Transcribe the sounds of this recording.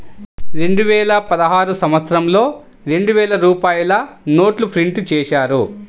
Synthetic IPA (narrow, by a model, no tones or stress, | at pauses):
ɾe̞ɳɖuʋɛːlɐpɐd̪ɐɦaːɾusɐmʋɐt̪sɾɐmlo̞ː | ɾe̞ɳɖuʋɛːlɐɾuːpaːjulɐno̞ːʈlupʰɾiɳʈt͡ʃɛːʃaːɾu